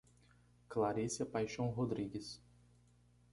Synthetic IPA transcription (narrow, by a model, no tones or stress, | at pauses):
klaɾisiɐpajʃɐ̃w̃ɦod̪ɾiɡɪs